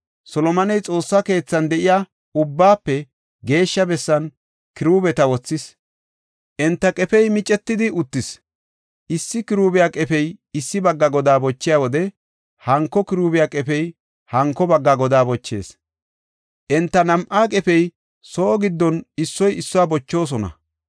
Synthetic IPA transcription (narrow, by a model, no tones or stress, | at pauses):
sɔlɔmɐnɛjt͡sʼo̞ːsːɐke̞ːt͡sːɐnd̪ɛʔɪja | ʊbːaːpːɛ | ɡe̞ːʃːɐbɛsːɐn | kɪɾuːbɛt̪ɐwɔt͡sːɪs | ʔɛnt̪ːɐkʼɛfɛjmɪt͡ʃʼɛt̪ːɪd̪ɪʔʊt̪ːɪs | ʔɪsːɪkɪɾuːbɪjakʼɛfɛjɪsːɪbɐɡːɐɡɔd̪aːbɔt͡ʃːɪjaːwɔd̪ɛ | hɐŋkːɔkɪɾuːbɪjakʼɛfɛj | hɐŋkːɔbɐɡːɐɡɔd̪aːbɔt͡ʃːe̞̰ːs | ʔɛnt̪ːɐnɐmʔaːkʼɛfɛj | soːɡɪd̪ːɔnɪsːɔjɪsːɔwaːbɔt͡ʃːo̞ːs̬ɔnɐ̰